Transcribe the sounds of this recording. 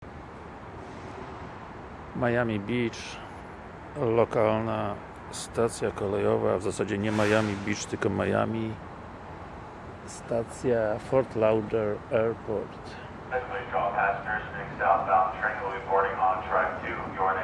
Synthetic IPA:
majamʲibʲit͡ʂ | lɔkalna | st̪at̪sʲjakɔlɛjɔva̰vzasad͡ʑɛɲɛmajamʲibʲit͡ʂt̪ɘlkɔmaja̰mʲi | st̪at̪sʲjafɔɾt̪lawdɛɾɛɾpɔɾt̪ | ɛklˠĩd͡ʒɔb̚pʰæsnə˞zmɛksaʊtəbaʊt̚tʰɹ̥ɛ̃nl̩ˠɹipʰɔɹɾɪ̃ŋɑ̃ntʰɹ̥æk̚tʰɨjɔɹ

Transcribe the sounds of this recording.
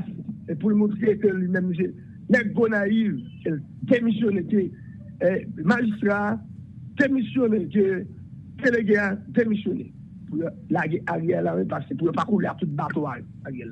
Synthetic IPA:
epulmɔ̃t̪ʁekølimɛ̃ms̬e | nɛkɡonaiv | e | d̪emisjoneke | maʒist̪ʁa | d̪̥emisjoneke | d̪̥eleɡead̪emisjone | pujo | laɡeʔaʁjɛlawɛpasepujopakuleat̪ut̪̚bat̪oajo | aɣjɛla

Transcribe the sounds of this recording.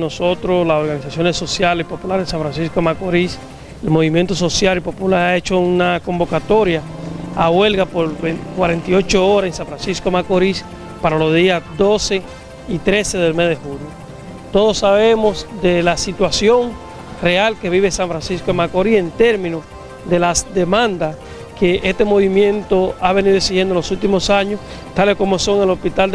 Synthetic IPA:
no̞so̞t̪ɾoslaso̞ɾɣanisasjo̞neso̞sjaleipo̞pulaɾesaɱfɾansiskomakoɾis | elmo̞βimjent̪o̞s̬o̞sjaɾipo̞pulaɾae̞t͡ʃo̞unako̞mbo̞kat̪o̞ɾjaaɣwe̞lɣapoɾβekwaɾe̞nt̪iot͡ʃooɾasensãɱfɾansiskomakoɾis | paɾalo̞zðiad̪o̞se̞ | it̪ɾe̞se̞ðe̞lme̞sðehuljo | t̪o̞ðosːaβe̞mosd̪e̞lasit̪wasjo̞ŋ | re̞alke̞βiβesãɱfɾansiskoemakoɾie̞nt̪e̞ɾmĩnu | ðe̞lasd̪e̞mãnd̪as | ke̞ʔest̪e̞mo̞βimjẽ̞nt̪o̞aβe̞niðoeksihjend̪olosult̪imo̞saɲos | t̪aleko̞mo̞so̞ŋelo̞spit̪ald̪

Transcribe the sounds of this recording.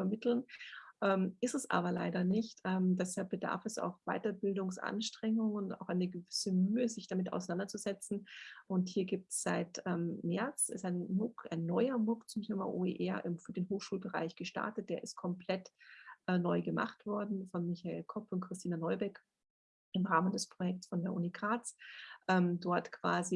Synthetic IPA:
fɐmɪtl̩nʔɛːmʔɪstɛsʔa̰ːbɐlaɪdɐnɪçtʔɛːmdɛshap̚b̥əda̰ɐfɛsa̰ʊxv̥a̰ɪtɐbɪldʊŋsʔa̰nʃtʁ̥ɛŋʊŋʊnta̰ʊxaɪnəɡəvɪsəmyːəzɪçd̥amɪta̰ʊsaɪnandɐt͡suz̥ɛt͡sn̩ʔʊnthiːɐɡiːp̚tsz̥aɪtɛːmːɛɐt͡sɛsaɪnmʊkʔa̰ɪnːɔʏɐmʊkt͡sʊmtʰeːma̰ʔoːeːʔɛɐʔɪmfyːɐdeːnɦoːxʃuːlbəʁa̰ɪçɡ̥əʃta̰ɐtət̚d̥eːɐʔɪst̚kʰɔmpʰl̥ɛtʔɛnɔʏɡəma̰χtv̥ɔɐdn̩fɔnmɪçaḛːlkʰɔpʊntkʁ̥ɪstʰiːnanɔʏbɛk | ɪmʁaːməndɛspʁ̥ojɛk̚tsfɔndeɐʔṵːnikʁaːt͡sʔɛːmdɔɐtkv̥a̰ːzi

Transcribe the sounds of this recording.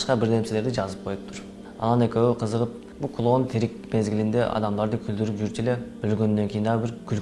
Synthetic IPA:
ʃqɑbɪɾnemsele̞ɾd̪ɪʒɑzəp̚qʰo̞jup̚t̪ʰʊɾ | ɑ̰nɑne̞kʲewɪqʰəzəʁəp̚ | bulˠkʰulˠont̪ʰeɾɪk̚me̞zɡʲɪlɪnd̪e̞ʔɑ̰d̪ɑmd̪ɑɾd̪əkʲʰʏld̪ɪɾɪpʒyɾt̪ʰeleb̥ʏlɡʲenːeŋkʲʰejinɑʁbɪɾkʲʰʏl

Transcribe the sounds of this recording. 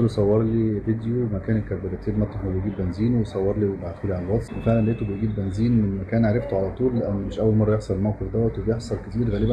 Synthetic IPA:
losˤɑwːɑɾˤliːved̪jowemækæːnelkæɾbælæt̪iːbmæt̪ˤːɑxbejɡiːbbænziːnwesˤɑwːɑɾˤliːwebaʕt̪uːliʕalælwɑt̪swefeʕlænleʔt̪ubejɡiːbbænziːnmenmækæːnʕaɾˤeft̪oʕalæt̪ˤuːlːeʔænːmeʃʔæwːælmɑrˤːɑjeħsˤɑlelmæwqefd̪æwæt̪webejeħsˤɑlket̪iːɾɣæːlebæn

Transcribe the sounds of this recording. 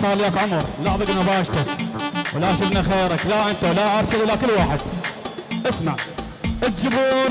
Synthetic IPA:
sˤɑːljakʕʊmɾˤlɑħðˤɑɡnabɑːʃt̪akwlaaʃɪd̪naxeːɾaklaʔɪnt̪alaʔɑɾˤsɪd̪ʔlːakɪlːwaːħɪd̪ | ʔasmaʕ | ʔɪt̪d͡ʒɪbuː

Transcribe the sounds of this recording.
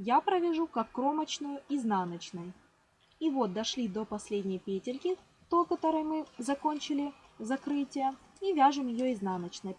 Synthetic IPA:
japɾəvʲɪʐukɐkːro̞mət͡ɕnʊjʊiznanət͡ɕnəj | ivo̞t̪̚d̪ɐʂlʲid̪o̞pɐsʲlʲedʲnʲɪjpʲetʲɪlʲkʲɪ | t̪okɐt̪oɾɨjmɨzɐko̞nʲt͡ɕɪlʲɪzɐkɾɨtʲɪjə | ivʲaʐɨmjɪjoɪznanət͡ɕnəj

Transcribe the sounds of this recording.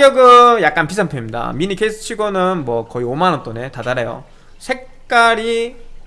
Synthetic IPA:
jʌɡɯjak̚k͈anpʰisʰanpʰemɲida̰minikʰesʰɯ̥t͡ɕʰiɡonɯnmwʌkʌiomanʌnt͈one̞tadaɾejo̰ | sʰe̞k̚ | k͈aɾi

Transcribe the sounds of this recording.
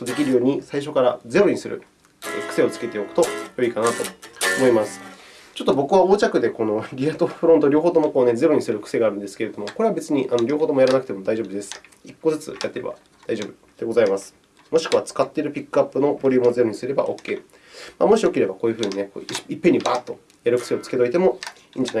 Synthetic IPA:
t̪ːod̪e̞k̬ʲiɾɯ̟jo̞ːɲ̟isaiɕ̬o̞kaɾad͡ze̞ɾo̞ɲ̟isɨɾɯ̰ | ḛkɯ̥se̞o̞t͡sɨ̥ke̞t̪eo̞kɯ̟̥t̪o̞jo̞ikanat̪o̞omo̞imasɨ̥ | t͡ɕo̞t̪ːobo̞kɯ̟βao̞ːt͡ɕakɯ̟d̪e̞ko̞no̞ɡʲiat̪oɸɯ̟ɾõ̞nt̪oɾʲo̞ːɦo̞ːt̪o̞mo̞koːne̞d͡ze̞ɾo̞ɲ̟isɨɾɯ̟kɯ̟̥se̞ɡaːɾɯ̟nd̪e̞sɨ̥ke̞ɾe̞d̪o̞moko̞ɾeabe̞t͡sɨɲ̟iʔanoɾʲoːɦoːt̪omojaɾanak̟t̪emo̞d̪aiʑo̞ːbɯd̪e̞sɨ̥ikːo̞zɨt͡sɨ̰jat̪ːeɾeba̰ | d̪̥aiʑo̞ːbɯ̟ | d̪̥e̞ɡo̞zaimasɨ̥ | mo̞ɕi̥kɯ̟βat͡sɨ̥kat̪ːe̞iɾɯ̟pʲikːɯapːɯ̟no̞bo̞ɾʲɯːmoze̞ɾo̞ɲ̟isɨɾe̞ba̰ʔo̞̰ːkʲːe̞ː | ma̰mo̞ɕio̞kʲiɾe̞bakoːjɯ̟ɸɯ̟ːɲ̟ine̞ko̰iipːeɲ̟ibaːt̪ːo̞ | jaɾɯ̟kɯ̟̥se̞o̞t͡sɨ̥ke̞t̪oit̪e̞mo̞ | iːɲ̟d͡ʑana

